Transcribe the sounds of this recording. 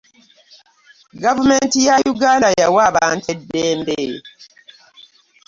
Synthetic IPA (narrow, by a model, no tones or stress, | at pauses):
ɡavumentijajuɡaːndajawaβaːntedːeːmbe